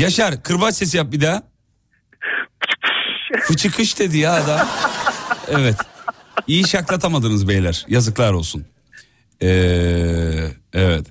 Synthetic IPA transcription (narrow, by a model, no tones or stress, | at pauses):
jaʃaɾkʰɯɾbat͡ʃse̞sijap̚bid̪a | kɯ̥t͡ʃʰɯ̥kʰkʰɯt͡ʃʰɯkʰɯʃd̪ed̪ijaːd̪a | ɛvɛt̪ijiʃaklˠat̪ʰamad̪ɯnɯzbejlʲæɾ̥jazɯklˠaɾo̞lˠsun | ɛː | ɛvɛt̪